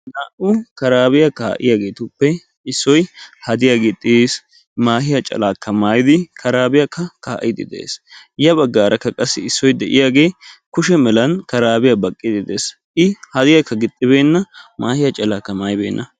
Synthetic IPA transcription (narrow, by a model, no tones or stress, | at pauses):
naːʔʊkɐɾaːbɪjɐka̰ːʔɪ̰jaːɡe̞ːt̪ʊpːɛ | ɪsːɔjhɐd̪ɪjaːɡɪt̪ʼːɪs | maːhɪjɐt͡ʃʼɐ̰laːkʰːɐmaːjd̪ɪkʰɐɾaːbɪjɐkːɐkaːʔɪd̪ɪ̰d̪ḛḛːs | jɐbɐɡːaːɾɐkːɐkʼɐsːɪɪsːɔjd̪ɛʔɪjaːɡe̞ːkʊʃɛmɛlɐnkɐɾaːbɪjɐbɐkʼːɪd̪ɪd̪eːs | ʔɪhɐd̪ɪjɐkːɐɡɪt̪ʼːɪbe̞ːnːɐmaːhɪjɐt͡ʃʼɐlaːkːɐmaːjɪbe̞̰ːnːʔɐ